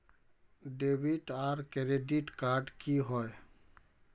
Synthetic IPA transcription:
ɖebiʈaɾkɾeɖiʈkaɾɖkiɦɔe

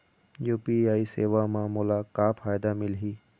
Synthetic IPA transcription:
juːpiaːiseːʋamãːmʊlakaːpʰaːjd̪amɪlɦiː

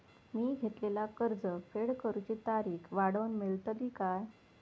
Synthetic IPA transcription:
miːɡʱet̪lelakəɾd͡zəfeɽkəɾut͡ɕit̪aɾiːkʰʋaɽənmelt̪əliːkaj

